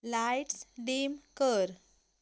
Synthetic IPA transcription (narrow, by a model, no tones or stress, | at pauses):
lajʈsɖemkəɾ